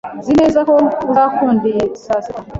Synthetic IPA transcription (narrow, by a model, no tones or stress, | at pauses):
zineːzakouzakʰuːndisasika